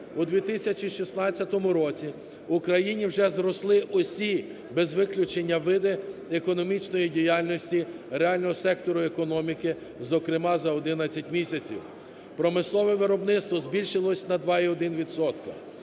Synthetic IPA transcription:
ud̪ʋʲit̪ɪsʲɐt͡ʃiʃisnɑt͡sʲːɐt̪ɔmʊɾɔt͡sʲi | ʊkɾɐjinʲiwʒɛzɾɔslˠɪʔɔsʲi | bɛzʋɪklʲʊt͡ʃenʲːɐʋɪd̪ɪekɔnɔmʲit͡ʃnɔjidʲijalʲnɔsʲtʲiɾeɑlʲnɔɦɔsɛk̚t̪ɔɾʊekɔnɔmʲikɪ | zɔkɾɪmɑzɐɔd̪ɪnɐt͡sʲːɐtʲmʲisʲɐt͡sʲḭw | pɾɔmɪslˠɔʋɛʋɪɾɔbnɪt̪st̪ʋɔzbʲilʲʃɪlˠɔsʲnɐd̪ʋɑiɔd̪ɪnʋʲid̪sɔt̪kɐ̰

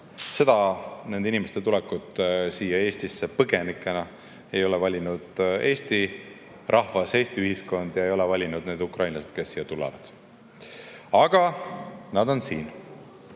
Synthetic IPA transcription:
se̞d̪̥ɑne̞nd̪inimest̪et̪ulɛkːˑut̪ːsiːjːɑe̞ːst̪isːepɤɡ̥enikːˑe̞nɑ | e̞jo̞lɛvɑlʲinud̪̥e̞ːst̪i | rʔɑhvɑse̞ːst̪iyhisko̞nd̪̥jɑe̞jo̞lɛvɑlʲinud̪ne̞ːd̪ukrɑjnlɑsed̪̥ke̞sːiːjːɑt̪ulɛ̰vɑd̪̥ | ɑɡ̥ɑnɑd̪o̞nsiːn

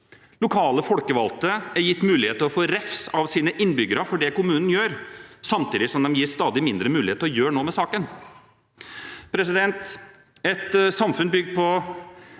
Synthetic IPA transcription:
lʊkʰɑːləfɔlkəʋɑ̰lt̪əæɾjɪt̪ːmʉːlɪheːt̪əɾɔfoːɾɛfsɑʋsiːnəʔɪnːbʏɡəɾɑfɔɖɛkʊmʉːnn̩jøːɾsɑmt̪ʰiːd̪ɪsɔmd̪ɛmjɪːst̪ɑːd̪ɪmɪnd̪ɾəmʉːlɪheːt̪əɾɔjøːɳoːmɛsɑːkən | pʰɾɛs̬ɪd̪ɛnt̪ | ɛt̪sɑmfʉnbʏɡ̪pʰɔ

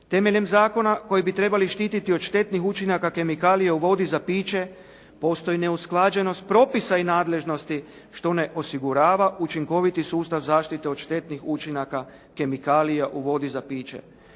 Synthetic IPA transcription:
t̪e̞me̞ʎe̞mzaːko̞nako̞jibit̪ɾe̞baliʃt̪iːt̪it̪iot̪ʃt̪e̞t̪nixut͡ʃinakake̞mikaːlijeuʋo̞d̪izapiːt͡ʃe̞ | po̞st̪o̞jine̞usklˠaːd͡ʒe̞no̞st̪̚pɾo̞pisainaːd̪le̞ʒno̞st̪i | ʃt̪o̞ne̞ʔo̞siɡuɾaːʋaʔut͡ʃiŋko̞ʋit̪isuːst̪aʋzaːʃt̪it̪eo̞d̪ʃt̪e̞t̪nixut͡ʃinaka | ke̞mikaːlijaʔuʋo̞d̪izapiːt͡ʃḛ

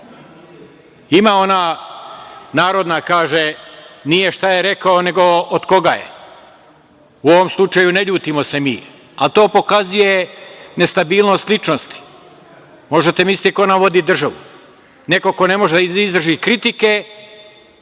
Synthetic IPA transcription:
imaːo̞na | naːɾo̞d̪nakaːʒenije̞ʃt̪aje̞ɾe̞kaone̞ɡo̞ʔod̪ko̞ɡaːjḛ | uo̞ʋomslˠut͡ʃajuneʎuːt̪imo̞se̞miː | alt̪o̞ːpo̞kazuje̞ne̞st̪abiːlˠnost̪lˠit͡ʃnost̪i̥ | mo̞ʒet̪emisit̪iko̞namʋo̞d̪iːd̪r̩ʒaʋṵ | ne̞ko̞ko̞ne̞mo̞ʒed̪aiizd̪r̩ʒikɾit̪ike

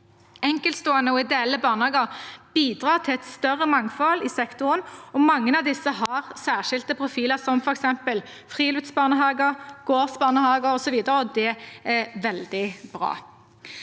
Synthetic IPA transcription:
ɛŋkəlst̪oːənəɔɪd̪eːɛlːəbɑːʁnəhɑːɡəʁb̥iːd̪ʁɑːʁt̪ʰɪlɛt̪st̪œʁəmɑŋfɔlɪsɛkt̪ʊʁənɔmɑŋːənɑʋd̪ɪsːəɦɑʁsæːʁʃɪlt̪əpʰʁʊfiːləʁsɔmfɔɾɛksɛmpəl | fʁiːlʉt̪sbɑːʁnəɦɑːɡəʁɡ̥oːsbɑːʁnəhɑːɡəʁɔsɔʋiːd̪əʁəɔd̪ɛɛʋɛld̪ɪb̥ʁɑ̰ː

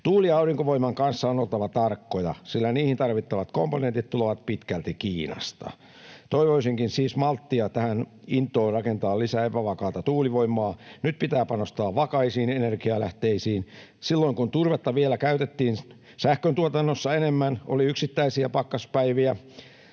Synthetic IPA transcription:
t̪uːliɑuriŋkoʋoimɑŋkɑnsːɑonolt̪ɑʋɑt̪ɑrkːojɑ̰silːæniːhint̪ɑrʋit̪ːɑʋɑt̪komponẽnt̪it̪t̪uloʋɑt̪̚pit̪kælt̪ikiːnɑ̰st̪ɑ̰ | t̪oiʋoisiŋkinsiːsmɑlt̪ːiɑt̪æhænint̪ːˑoːrrɑkent̪ɑːllisæːepæʋɑkɑːt̪ɑt̪uːliʋoimˑɑːnyt̪̚pit̪æːpɑnost̪ɑːʋʋɑkɑisiːnenerkiɑlæht̪eisiːn | silːoiŋkunt̪urʋet̪ːɑʋielækæyt̪et̪ːiːn | sæhkønt̪uot̪ɑnːosːɑenemːæno̰liyksit̪ːæisiæpɑkːɑspæiʋiæ

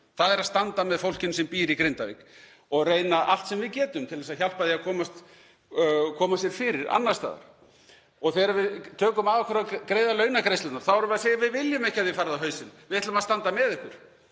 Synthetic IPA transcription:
θaðɛɾaðst̪ant̪amɛðfowl̥cɪnʏmsɛmpiːɾikɾɪnt̪avɪ̰k | ɔɣreːjnaʔal̥t̪sɛmvɪðcɛːt̪ʏmt̪ʰɪlvɛsaðçal̥paðiaðkʰɔːmast̪ | kʰɔːmasjɛɾ̥fɪːɾɪɾa̰nːḁst̪a̰ːða̰ɾ̥ | ɔɣθɛɾavɪðt̪ʰœːkʏmaðvakʰvɛɾakɾeːjðalœːɥnakɾejslat̪naɾ̥θawvɛɾʏmɛɾaseːjavɪðvɪljʏmɛhcːɪhaðvɪfaːɾðaɦœːɥsɪnvɪðɛt̪lʏmast̪ant̪amɛðɪhkʏɾ̥

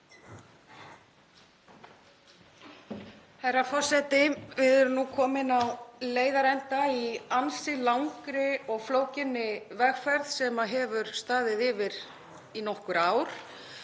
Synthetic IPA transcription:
hɛjɾafɔr̥sɛt̪ɪvɪðɛɾʏmnukʰɔːmɪnawleːjðaɾɛnt̪aiansɪlawŋkɾɪɔɣfloːwcɪnːɪvɛɣfɛɾðsɛmaɦɛvʏɾ̥st̪aːðɪðɪːvɪɾ | inɔhkʏɾaːwɾ̥

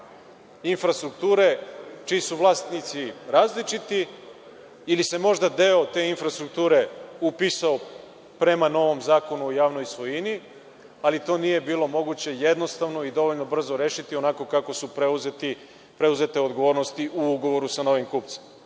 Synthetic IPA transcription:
infɾast̪ɾuk̚t̪uːɾe̞t͡ʃiːsuʋlˠaːst̪nit̪siɾaːzlit͡ʃit̪i | ilise̞mo̞ʒd̪ad̪e̞ot̪e̞ːinfɾast̪ɾuk̚t̪uːɾe̞upisao | pɾe̞mano̞ʋo̞mzaːko̞nuojaːʋno̞jsʋo̞jini | alit̪o̞ːnije̞biːlˠo̞mo̞ɡut͡ɕe̞je̞d̪no̞st̪aʋnoid̪o̞ʋo̞ʎno̞br̩zoɾe̞ːʃit̪ionako̞kako̞supɾeuzet̪i | pɾe̞uze̞t̪e̞o̞d̪ɡo̞ʋo̞ːɾnost̪iʔuuɡo̞ʋo̞ɾusano̞ʋimkupt̪se̥m

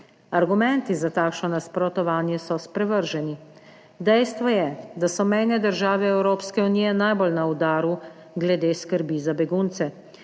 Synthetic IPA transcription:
aɾɡumɛnt̪izat̪aːkʃnɔnaspɾɔt̪ɔʋaːnjɛsɔspɾɛʋəɾʒɛni | d̪ɛjst̪ʋɔjɛd̪asɔmɛjnɛd̪əɾʒaːʋɛɛwɾoːpskɛunijɛnajbolnaud̪aːɾu | ɡlɛd̪eːskəɾbizabɛɡunt̪sɛ

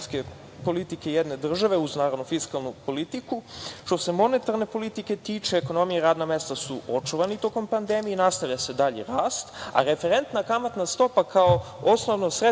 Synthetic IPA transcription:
ske | po̞lit̪ikejed̪ne̞d̪r̩ʒaʋe̞uznaːɾod̪nufiskalˠnupo̞lit̪ikuʃt̪o̞se̞mo̞ne̞t̪aɾne̞po̞lit̪ike̞t̪iːt͡ʃeːko̞no̞mijeɾaːd̪name̞st̪asuo̞t͡ʃuʋanit̪o̞ko̞mpand̪e̞mijenast̪aʋʎase̞d̪aʎḛɾaːst̪a̰ɾe̞fe̞ɾe̞nt̪nakamat̪nast̪o̞pakao̞osnoʋnosɾe

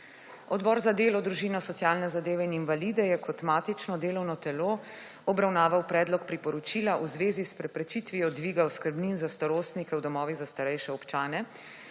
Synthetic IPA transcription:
ɔd̪bɔːɾzad̪eːlɔd̪ɾuʒinɔsɔt̪sjaːlnɛzad̪eːʋɛininvalid̪ɛjɛkʰɔt̪maːt̪it͡ʃnɔd̪eːlɔwnɔt̪ɛlo | ɔbɾawnaːʋawpɾɛːd̪lɔkpɾipɔɾɔt͡ʃiːlaʔuzʋeːzispɾɛpɾɛt͡ʃit̪ʋijɔd̪ʋiːɡawskəɾbninzast̪aɾoːst̪nikɛwd̪ɔmɔːʋiɣzast̪aɾɛjʃɛɔpt͡ʃaːnɛ

